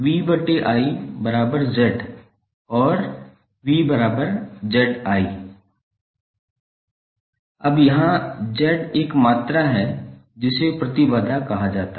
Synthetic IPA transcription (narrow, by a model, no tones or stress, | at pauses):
wibɐʈːeʔaːibɐɾaːbəɾd͡ʒɛːʈ | ɔːɾ | wibɐɾaːbəɾd͡ʒɛːɖaːiː | ɐbjɐɦãd͡ʒɛːɖeːkmaːt̪ɾaɦɛ | d͡ʒɪsepɾɐt̪ibaːd̪ʱakɐɦad͡ʒaːt̪a